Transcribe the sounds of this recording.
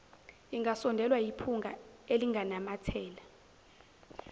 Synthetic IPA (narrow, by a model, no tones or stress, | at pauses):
iŋɡʱasɔndʱɛlwajipʰuŋɡʱa̰eliŋɡʱanamatʰɛːla